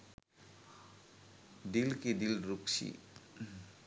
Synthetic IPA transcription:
d̪ilkid̪ilɾuksʰḭ

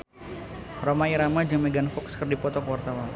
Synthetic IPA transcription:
romaiɾamad͡ʒəŋmɛɡanfɔkskərdipɔt̪ɔkəwart̪awan

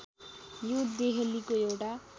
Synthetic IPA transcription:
jud̪eɦelikoewʈa

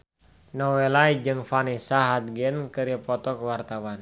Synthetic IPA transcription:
nɔwɛlaid͡ʒɨŋfanisaɦad̪̚ɡɛnkɨɾiəpɔt̪ɔkəwart̪awan

